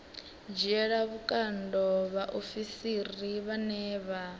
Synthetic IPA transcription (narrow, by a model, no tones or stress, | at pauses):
d͡ʒɛɺaβukʼandɔβaʔofisiriβanɛːβa